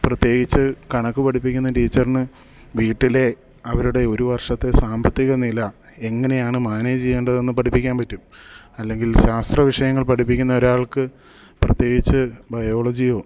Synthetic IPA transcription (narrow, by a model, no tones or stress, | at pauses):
prɐt̪je̞ːɡit͡ɕːɨkɐɳɐkːɨpɐʈʰipːikʲːunːɐʈiːt͡ɕːɐrnɨ | ʋiːʈːile̞ | ɐʋɐɾuɽe̞o̞ɾuʋɐrʂɐt̪ːesaːmbɐt̪ːiɣɐnilɐ | e̞ŋːɐne̞jaːɳɨmaːneːd͡ʑijːeɳɖɐðe̞nːɨpɐʈʰipːikʲːaːnpɐtːumɐlːe̞ŋɡilɕaːst̪rɐʋiʂɐjɐŋːɐɭpɐʈʰipːikʲːunːɐo̞ɾaːɭkɨ | prɐt̪je̞ːɡit͡ɕːɨbɐjo̞ːɭɐd͡ʑijo̞ː